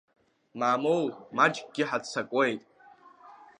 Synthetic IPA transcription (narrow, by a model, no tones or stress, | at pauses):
maːmowmad͡ʒɡʼɡʲɪħat͡sʰakʷʼe̞jtʼ